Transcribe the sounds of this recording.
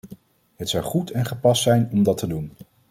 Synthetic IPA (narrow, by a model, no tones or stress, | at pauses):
ɦətsɑwχutʰɛnχəpɑstsɛjnɔmdɑtədun